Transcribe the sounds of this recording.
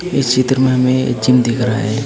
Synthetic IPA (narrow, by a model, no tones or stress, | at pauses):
ɪst͡ʃʰit̪ɾmẽɦɐmẽḛd͡ʒimd̪ikəɾa̰ːɛ